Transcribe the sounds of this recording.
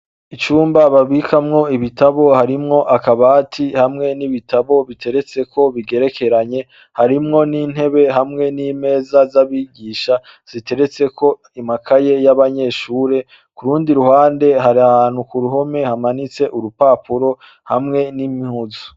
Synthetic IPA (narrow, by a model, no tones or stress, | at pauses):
it͡ʃuːmbaβaβikʰamŋo̞iβitaβo̞haɾimŋo̞ʔakaβaːtʰihamŋe̞niβitaβo̞βitʰe̞ɾe̞t͡se̞kʰo̞βiɡe̞ɾe̞kʰe̞ɾaɲe̞ | haɾimŋo̞niːn̥he̞βe̞ɦamŋe̞nime̞ːzazaβiɡiːʃa | z̥ite̞ɾe̞t͡se̞kʰo̞ | imakʰaje̞jaβaɲe̞ːʃuːɾe̞ | kuɾuːndiɾuhaːnde̞ɦaɾiahaːn̥ukuɾuɦo̞me̞hamanit͡se̞ʔuɾupaːpuɾo̞ | hamŋe̞nimihuzo